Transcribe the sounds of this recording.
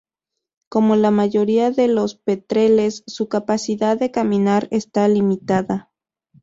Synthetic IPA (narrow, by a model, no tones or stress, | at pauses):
ko̞mo̞lamaʝo̞ɾiaðe̞lo̞spe̞t̪ɾe̞le̞sːukapasiðaððe̞kamĩnaɾest̪alimit̪aða